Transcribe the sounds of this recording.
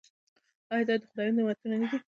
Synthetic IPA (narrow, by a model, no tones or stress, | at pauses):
ɑjd̪ɑd̪əxʊd̪ɑjund̪əwat̪unanad̪i